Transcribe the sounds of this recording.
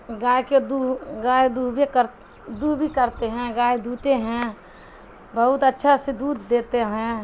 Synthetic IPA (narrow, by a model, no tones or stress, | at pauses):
ɡaːjked̪uɡaːjd̪ubkəɾ | d̪uːbʱikəɾt̪eɦɛ̃ɡaːjd̪ʱuːt̪eɦɛ̃ | bəɦʊt̪ətːʃʰased̪uːd̪ʱd̪eːt̪eɦɛ̃